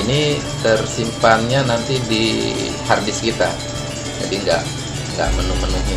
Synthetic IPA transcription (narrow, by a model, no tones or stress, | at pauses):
ini | t̪ərsimpanɲanant̪idḭ | hardɪskit̪a̰ | d͡ʒa̰diŋɡa̰ʔ | ŋɡa̰ʔmənumənuɦi